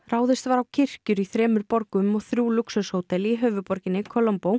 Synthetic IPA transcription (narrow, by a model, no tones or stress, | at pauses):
raːwðɪst̪vaɾawcʰɪr̥cʏɾiθɾɛːmʏɾpɔɾkʏmɔɣθɾjuːluksœshowt̪ɛliɦœːvʏpɔɾcɪnːɪkʰɔlɔmpow